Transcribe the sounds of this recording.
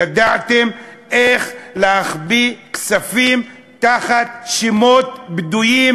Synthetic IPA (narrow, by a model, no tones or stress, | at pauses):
ad̪at̪emeχleaχbiksafim | t̪aχat̪ʃimot̪̚bd̪uji